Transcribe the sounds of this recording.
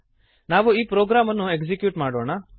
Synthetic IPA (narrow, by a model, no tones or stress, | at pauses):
naːʋoiːpɾoːɡɾaːmənũekd͡ʒikjuːʈmaːɽoːna